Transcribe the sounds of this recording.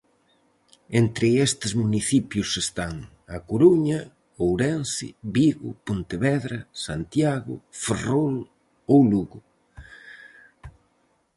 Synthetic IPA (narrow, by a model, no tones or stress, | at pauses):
ent̪ɾɪest̪ɪzmuniθipjʊsest̪aŋ | akoɾuɲɐ | owɾɛnsɪ̰βiɣʊ̰pont̪eβɛðɾɐsant̪jaɣʊ̰ferol | owluɣʊ